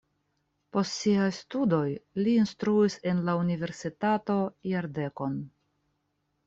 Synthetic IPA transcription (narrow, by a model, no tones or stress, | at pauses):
po̞stsiajstudo̞jliːnstɾuise̞nlaunive̞ɾsitato̞jaɾde̞ko̞n